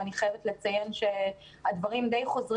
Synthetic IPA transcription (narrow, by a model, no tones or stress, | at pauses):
aniχajevet̪let͡saje̞nʃe̞ | had̪vaʁimd̪ejχo̞zʁ